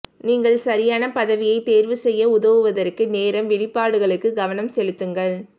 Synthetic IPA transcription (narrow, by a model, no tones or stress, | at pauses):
niːŋɡɐɭsɐɾɪjaːnɐpɐðɐʋɪjɐɪt̪eːɾʋɯsɛjːɐʊðɐʋɯʋɐðɐrkɯneːɾɐmʋɪɭɪpːaːɽɯɣɐɭɯkːɯɡɐʋɐnɐmsɛɻɯt̪ːɯŋɡɐɭ